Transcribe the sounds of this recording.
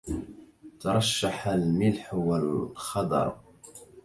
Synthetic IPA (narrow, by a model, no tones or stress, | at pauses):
t̪ɑɾˤɑʃːaħalmilħwællxɑd̪ˤɑ̰ɾˤ